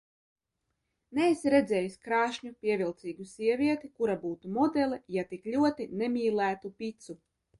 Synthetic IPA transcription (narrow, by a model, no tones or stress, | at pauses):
neisɾɛd̪zɛːjiskɾaːʃɲupʲiɛvʲilˠt̪siːɡusʲiɛvʲiɛt̪ikuɾabuːt̪umɔd̪ɛlˠijat̪iklʲuɔt̪inɛmʲiːlˠæːt̪upʲit̪su